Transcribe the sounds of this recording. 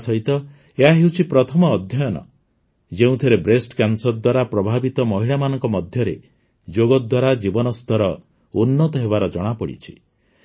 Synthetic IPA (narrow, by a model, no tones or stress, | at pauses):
sɔɦit̪ɔ | eɦaɦewt͡ʃʰipɾɔt̪ʰɔmɔːd̪ʱjɔjɔnɔ̰ | d͡ʒeũt̪ʰiɾebɾesʈkansɔɾd̪waɾapɾɔbʱabit̪ɔmɔɦiɭamanɔŋkɔmɔd̪ʱjɔɾe | d͡ʒoɡɔd̪waɾad͡ʒibɔnɔst̪ɔɾɔ | unːɔt̪ɔɦeβaɾɔd͡ʒɔɽ̃apɔɽḭt͡ʃʰi̥